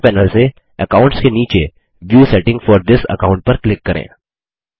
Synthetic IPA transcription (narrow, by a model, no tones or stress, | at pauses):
pɛːnəlse | əkaːʊ̃ɳʈskeniːt͡ʃe | ʋjuːsɛʈɪ̃ŋɡfɔːɾd̪ɪsə̰kãʊ̃ɳʈ̚pɐɾklɪkːɐɾʔḛ̃ː